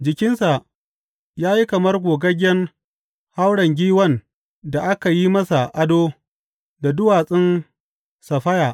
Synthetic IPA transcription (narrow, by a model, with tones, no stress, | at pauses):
d͡ʒɪ˨kʲɪ˦nsa˨ | jaː˦ji˦kɐ˨mɐ˦rɡʷoː˨ɡɐ˦ɡʲɛ˦n | ha˦wɽɐ˨ŋɡʲiː˦wɐ˦n | da˨ʔa˦ka˨ji˦mɐ˦sa˨ʔa˦doː˦ | da˨dʊ˦waː˨sʼɪ˦n | sɐ˨ɸɐ˦jaː˨ʔ